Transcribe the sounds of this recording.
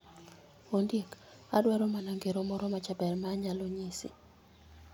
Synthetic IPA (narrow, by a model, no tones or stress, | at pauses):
ondjek | a̰dwaɾɔmanaŋɡeɾomɔɾɔmat͡ʃabɛrmaɲaloɲisḭ